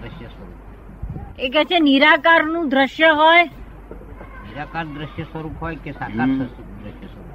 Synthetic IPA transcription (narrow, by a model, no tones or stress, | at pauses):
d̪ɾəʃjəsəɾu | ɔ | ekɛt͡ʃʰeniɾakaɾnũd̪ɾəʃjəɦoj | niɾakaɾd̪ɾəʃjəsʋəɾukɦɔjkesakasə | d̪ɾəʃjəsəɾu